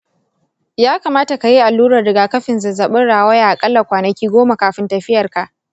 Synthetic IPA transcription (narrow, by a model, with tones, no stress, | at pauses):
jaː˦kaː˨maː˦ta˨ka˨ji˦ʔa˨lːuː˦ɾɐ˨rːɪ˨ɡaː˨kɐ˦ɸɪ˨nzɐ˨zɐ˨ɓɪ˦nɽaː˨wɐ˦ja˨ʔa˨kʼɐ˦lːɐ˨kʷaː˨nɐ˨kʲiː˦ɡʷoː˦ma˨kaː˨ɸɪ˦ntɐ˨ɸɪ˦jɐ˨rka˨ʔ